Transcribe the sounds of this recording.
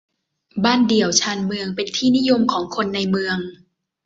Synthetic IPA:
baː˥˩ndi˨˩əwt͡ɕʰaː˧nmɯ˧əŋpe˧nt̪ʰiː˥˩ni˦˥jo˧mkʰɔː˩˦ŋkʰo˧nːa˧jmɯ˧əŋ

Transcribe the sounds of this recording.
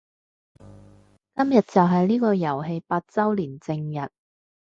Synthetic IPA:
kɐ˥mjɐ˨t̚t͡sɐ˨wɦɐ˨jliː˥kɔː˧jɐ˨˩wɦe˧jpaː˧t̚t͡sɐ˥wliː˨˩nt͡sɪ˧ŋjɐ˨˩t̚

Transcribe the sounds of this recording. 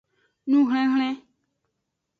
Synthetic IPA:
nũ˦ɦl̃ɛ̃˦ɦl̃ɛ̃˦

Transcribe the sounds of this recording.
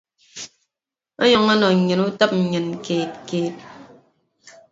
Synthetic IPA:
ɔ˦ɲɔ˨ŋɔ˦nɔ˨ɲɨ˨nu˦tə˦p̚n̩˨ɲɨ˨n˨keː˨t̚keː˨t̚

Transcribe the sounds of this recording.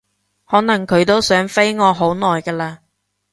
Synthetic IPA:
hɔː˨˥nɐ˨˩ŋkʰɵ˨˧ɥt̪o˥wsœː˨˥ŋfe˥jŋɔː˨˧ɦo˨˥wnɔː˨jkɐː˧laː˧

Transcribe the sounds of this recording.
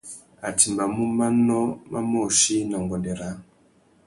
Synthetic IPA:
a˨ti˨mba˨mu˦ma˦nɔ˦ma̰˦mo˦˨ʃi˦na˨ŋɡɔ˨ndɛ˨ɾa˨˦

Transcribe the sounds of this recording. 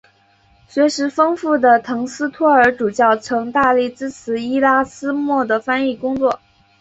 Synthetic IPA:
ɕɥɛ˧˥ʂɻ̩˧˥fɤ˥ŋfu˥˩d̪ə˩t̪ʰɤ˧˥ŋsɹ̩˥t̪ʰwɔ˥ə˞˧˥ʈ͡ʂu˨˩t͡ɕjɑ˥˩ʊt͡sʰɤ˧˥ŋt̪a˥˧li˥˩ʈ͡ʂɻ̩˥t͡sʰɹ̩˧˥i˥la˥sɹ̩˥mwɔ˥˩d̪ə˩fa˥ni˥˩kʊ˥ŋt͡swɔ˥˩

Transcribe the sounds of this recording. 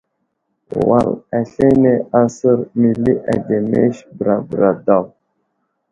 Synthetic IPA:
wa̰˨læ˨ɬe˦ne˦a˦sə˦ɾmi˨li˦ʔa˨de˨mḛ˦ʃbɾa˨bɾa˨da˦˨w

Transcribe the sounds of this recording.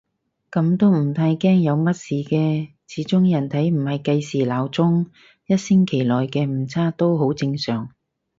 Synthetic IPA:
kɐ˨˧˥mt̪o˥wm̩˨˩t̪ʰaː˧jkɛː˥ŋjɐ˨˧wmɐ˥t̚siː˨kɛː˧ | t͡sʰiː˨˥t͡sʊ˥ŋjɐ˨˩nt̪ʰɐ˨˥jm̩˨˩hɐ˨jkɐ˧jsiː˨˩laː˨˩wt͡sʊ˥ŋ | jɐ˥t̚sɪ˥ŋkʰe˨˩jlɔː˨jkɛː˧m̩˨˩t͡sʰaː˥t̪o˥wɦo˨˥wt͡sɪ˧ŋsœː˨˩ŋ

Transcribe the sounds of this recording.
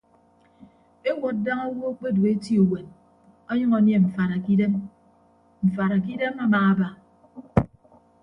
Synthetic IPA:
e˦ŋʷo˨t̚da˦ŋa˦wo˦k͡pe˦du˨e˦ti˦o˨we˨n | ɔ˦ɲʌ˦ŋɔ˨nje˦m̩˨fa˨ɾa˨ki˦de˦m | m̩˨fa˨ɾa˨ki˦de˦ma˦maː˨a˦ba˦

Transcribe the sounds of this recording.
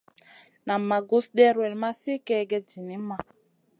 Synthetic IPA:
na˨mːa˨ɡu˦sɗɛ˦ɾwɛ˨lma˦si˦kɛ˦ɡɛ˦d͡ʒi˨ni˦ma˨

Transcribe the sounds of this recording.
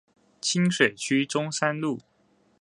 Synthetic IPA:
t͡ɕʰi˥ŋʂwe˨˩ɪt͡ɕʰy˥ʈ͡ʂʊ˥ŋsa˥nlu˥˩

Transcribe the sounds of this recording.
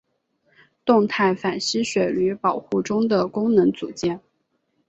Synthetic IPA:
t̪ʊ˥˧ŋt̪ʰa˥˩ɪfa˨˩nɕi˥ɕɥɛ˨˩y˧˥pɑ˨˩ʊxu˥˩ʈ͡ʂʊ˥ŋd̪ə˨kʊ˥ŋnɤ˧˥ŋt͡su˨˩t͡ɕjɛ˥˩n

